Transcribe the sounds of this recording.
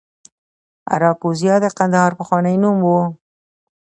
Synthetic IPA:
a̰ɾɑkuzijɑd̪əqand̪ahɑɾpəxwɑnəjnumwo

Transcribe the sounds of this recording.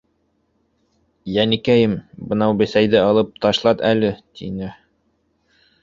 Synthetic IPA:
jænikæjɘmbɤ̆nɑwbɘ̆sæjðɘɑlˠɤp̚t̪ɑʃlˠɑt̪ælɘt̪ʰḭnɘ

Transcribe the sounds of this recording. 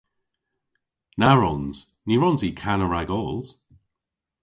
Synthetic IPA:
naɹɔnz̥ | niɹɔnzikʰanəɹaɡɔːlˠz̥

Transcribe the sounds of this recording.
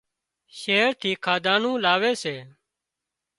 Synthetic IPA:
ʃeːɾt̪ʰiːkʰaːd̪ãːnũːlaːʋeːseː

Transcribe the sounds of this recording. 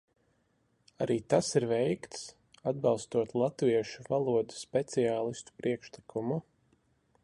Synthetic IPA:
aɾiːt̪asiɾvɛjkt̪s | ad̪̚bɑlˠst̪uɔt̪lˠat̪viɛʃuvalˠuɔd̪u̥spʲɛt̪sijaːlˠist̪u̥pɾʔiɛkʃlˠikʰumu

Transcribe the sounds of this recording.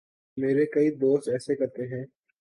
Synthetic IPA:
meːɾekɐiboːsʈɛːsekɐɾt̪eɦɛ̃ː

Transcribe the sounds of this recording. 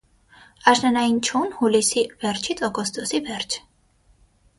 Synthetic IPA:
aʃnanaint͡ʃʰunhulisivɛɾt͡ʃʰit̪sʼɔɡɔst̪ʼɔsivɛɾt͡ʃʰ

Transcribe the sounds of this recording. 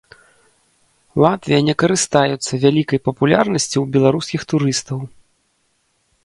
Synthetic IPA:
lˠat̪vʲijɐnʲɛkɐɾɨst̪ajut̪sːɐvʲalʲikɐjpɐpulʲarnɐsʲt͡sʲiwbʲɛlˠaɾuskʲixt̪uɾɨst̪ɐw

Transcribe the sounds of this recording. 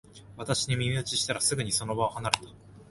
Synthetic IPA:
βat̪aɕiɲ̟imʲimʲiɯt͡ɕiɕi̥t̪aɾasɨɡɯ̟ɲ̟iso̞no̞baohanaɾe̞t̪ḁ

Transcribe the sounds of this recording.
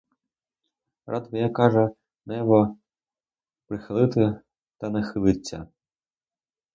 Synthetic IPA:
rʔat̪vɐjakaʐɐ | nɛβɔ | pɾɨxalˠɨt̪ɨ | t̪ɐnɐxɨlˠɨt͡sʲːɐ̰

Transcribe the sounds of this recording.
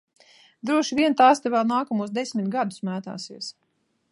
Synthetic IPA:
d̪ɾuɔʃivʲiɛnt̪aːst̪ɛvɛlˠnaːkɔmuɔs̬d̪esʲmʲit̪ɡad̪u̥smæːt̪a̰ːsiɛs

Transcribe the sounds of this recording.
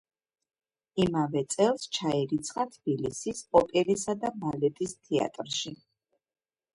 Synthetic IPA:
imavɛt̪sʼɛlˠst͡ʃʰaiɾit̪sʰχat̪ʰb̥ilisispʼɔpʼɛlisad̪abalɛt̪ʼist̪ʰia̰t̪ʼɾʃi

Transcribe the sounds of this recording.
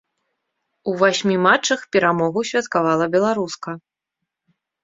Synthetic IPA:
uvasʲmʲimat͡ʂːɐxpʲɛɾamɔɣusʲvʲɐt̪kavalˠɐbʲɛlˠaɾuskɐ

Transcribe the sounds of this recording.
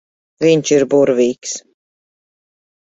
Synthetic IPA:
viɲʲt͡ʃiɾbuɾviːks

